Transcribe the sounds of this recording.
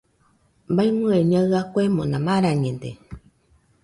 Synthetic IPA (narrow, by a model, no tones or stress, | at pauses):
mbaimɨ̃eɲãɨakʷemõnãmaɾaɲẽnd̪ḛ